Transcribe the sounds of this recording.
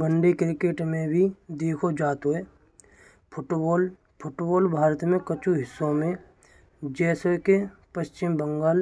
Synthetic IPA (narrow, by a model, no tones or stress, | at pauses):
bəɳɖekɾɪkeːʈmẽbʱid̪eːkʰod͡ʒaːt̪ɦoe | pʰʊʈoːl | pʰʊʈboːlbʱaːɾət̪mẽkət͡ʃuɦɪsːõmẽ | d͡ʒɛːsokepəʃt͡ʃɪmbəŋɡaːl